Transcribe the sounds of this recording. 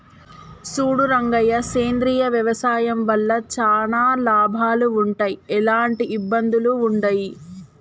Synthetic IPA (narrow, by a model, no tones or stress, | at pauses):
suːɽuɾɐŋɡɐjɐseːnd̪ɾiːjɐʋjɐʋɐsaːjɐmʋɐlːɐt͡ʃaːnaːlaːbʱaːluːɳʈaːjiɛlaːɳʈiʔibːɐnd̪uluːɳɖɐji